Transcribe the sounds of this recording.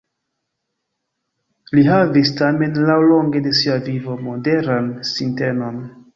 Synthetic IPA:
liɦavistame̞nlawlo̞ŋɡe̞de̞siavivo̞mo̞de̞ɾansinte̞no̞n

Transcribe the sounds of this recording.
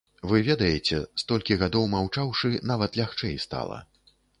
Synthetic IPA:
vɨvʲɛd̪ɐjɛt͡sʲɛst̪ɔlʲkʲiɣad̪ɔwmawt͡ʂawʂɨnavɐt̪lʲaxt͡ʂɛjst̪a̰lˠɐ̰

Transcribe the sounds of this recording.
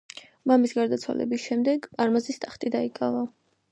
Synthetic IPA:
mamisɡaɾd̪at̪sʰwa̰lɛ̰bisʃɛmd̪ɛɡpʼaɾmazist̪ʼaχt̪ʼid̪aikʼava

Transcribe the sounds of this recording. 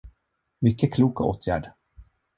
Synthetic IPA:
mʏkːəkʰluːkao̰ːt̪ʰjæ̰ːɖ

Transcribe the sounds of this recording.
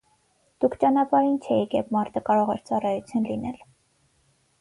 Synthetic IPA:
d̪̥ukʰt͡ʃɑnɑpɑɾint͡ʃʰɛjikjɛpmɑɾt̪ʰəkɑɾɔʁɛɾt͡sɑrɑjut͡sʰjunlinɛl

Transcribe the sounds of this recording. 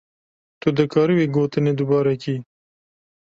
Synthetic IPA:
t̪od̪əkɑːɾiweɡot̪əned̪ʊbɑːɾaki

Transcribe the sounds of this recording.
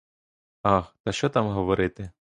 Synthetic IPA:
ɑxt̪ɐʃt͡ʃɔt̪ɑmɦɔʋɔɾɪt̪ɪ

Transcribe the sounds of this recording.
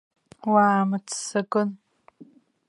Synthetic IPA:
waːmət͡ssəkʊn

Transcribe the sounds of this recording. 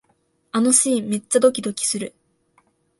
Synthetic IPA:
anoɕiːme̞t͡ɕːad̪o̞kʲid̪o̞kʲi̥sɨɾɯ̟

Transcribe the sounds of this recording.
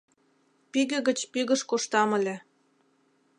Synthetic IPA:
piɣɘ̆ɣə̆t͡ɕpiɣə̆ʃkoʃt̪ɑmə̆lʲĕ

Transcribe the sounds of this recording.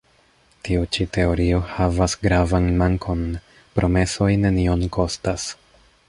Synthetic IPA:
tiut͡ʃitʰe̞o̞ɾio̞havasɡɾavanmaŋkʰo̞n | pɾʔo̞me̞so̞jne̞nio̞nkʰo̞stas

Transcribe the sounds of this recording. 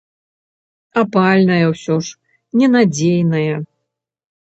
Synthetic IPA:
apalʲnɐjɐwsʲɔʂ | nʲɛnad͡zʲejnɐjɐ

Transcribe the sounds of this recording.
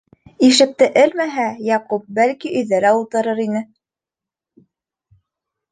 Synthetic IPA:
iʃɘ̆k̚t̪ɘʔɘlmæɦæjɑqup̚bælkiɵ̆jðæɾæulˠt̪ɤ̆ɾɤɾinɘ

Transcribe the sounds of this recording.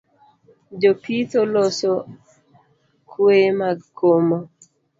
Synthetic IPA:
d͡ʒopit̪oloso | kʰwemaɡkʰomo

